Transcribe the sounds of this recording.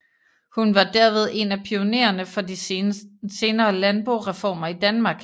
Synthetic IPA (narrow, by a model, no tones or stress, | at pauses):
hunʋɑ̈d̥æɐʋe̝ð̞ˠe̝næpʰio̝ne̝̰ːɐnəfɒ̽di | se̝ːnɐːlænb̥ʁo̝ʁɛfɒ̰ːmɐid̥ænmɑ̈ːɡ̥